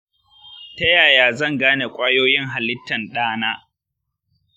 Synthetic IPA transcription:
tɐ˦jaː˨jaː˨zɐ˦˨ŋɡaː˦ne˨kʷʼaː˦joː˦jɪ˦ŋɦa˨lɪ˦tːɐ˨nɗaː˦naː˦

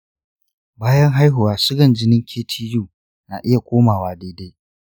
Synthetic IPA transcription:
baː˦jɐ˦ŋɦa˦jɦʊ˨waː˨sʊ˦ɡɐ˨nd͡ʒɪ˦nɪ˦ŋkʲʰeː˦tʰiː˦juː˦˨ | na̰ː˨ʔɪ˦ja˨kʷʼoː˦maː˨waː˨de˦de˦j

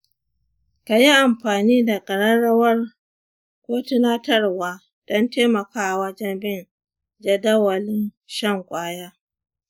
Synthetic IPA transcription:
ka˨ji˦ʔa˨mɸaː˨niː˦da˨kʼɐ˨ɽɐ˦ɽɐ˦wɐ˦r | kʷoː˦tɪ˦naː˦tɐ˦rwaː˨ | d̥ɔ˦nteː˦mɐ˨kaː˦ʔa˨wɐ˦d͡ʒɛ˦nbɪ˦n | d͡ʒɐ˨dɐ˦wɐ˨lɪ˦n | ʃɐ˦ŋkʷʼaː˦jaː˦

